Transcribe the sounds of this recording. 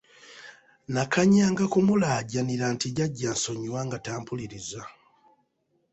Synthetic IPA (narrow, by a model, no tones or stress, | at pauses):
nakaɲaːŋɡakumulaːɟaniɾaːntiɟaɟːaːnso̞ɲiwaŋɡataːmpuliɾiza